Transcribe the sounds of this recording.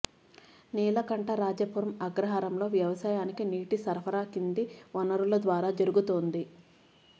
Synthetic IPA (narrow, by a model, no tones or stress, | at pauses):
niːlɐkɐɳʈɐɾaːd͡ʒɐpuɾɐmɐɡɾɐɦaːɾɐmlo̞ːʋjɐʋɐsaːjaːnikiniːʈisɐɾpʰɐɾaːkind̪iʋɐnɐɾulɐd̪ʋaːɾaːd͡ʒɐɾuɡut̪oːnd̪i